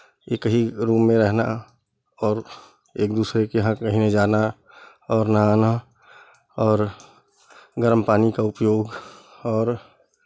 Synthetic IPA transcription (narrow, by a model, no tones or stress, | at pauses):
ekəɦiɾuːmːẽɾɛɦna̰ | ɔːɾ | eːkd̪uːsɾekeɦãkəɦined͡ʒaːna | ɔːɾnaaːna | ɔːɾ | ɡəɾmpaːnikaʊpjoːɡ | ɔːɾ